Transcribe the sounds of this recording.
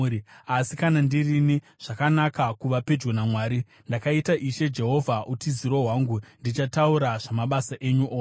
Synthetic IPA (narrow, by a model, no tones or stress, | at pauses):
asikanandirini | ʐ̥akanakakuʋaped͡ʒɡonamwaːɾi | ndakaitaʔiʃe̞d͡ʒe̞ɦo̞vʱaʔutiziɾo̞ɦwaːŋɡundit͡ʃatauɾaʐamaɓasaʔe̞ɲuʔoː